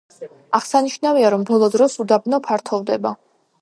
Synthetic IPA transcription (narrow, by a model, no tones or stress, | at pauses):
aʁsaniʃnaviaɾɔmbɔlˠɔd̪ɾɔsud̪abnɔpʰaɾt̪ʰɔvd̪ɛba